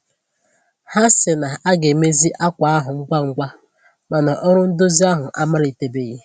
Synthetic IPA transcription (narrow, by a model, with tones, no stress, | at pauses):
ha˦sɪ˨na˨a˦ɡe˨me˦zi˦ʔa˦kʷa˨a˦ɦʊ˨ŋ̩˦ɡʷa˦ŋ̩˦ɡʷa˦ | ma˨na˨ʔɔ˦ɾʊ˦n̩˦do˦zi˦a˦ɦʊ˨ʔa˦ma˦ɾi˨te˨be˦˨ɣe˦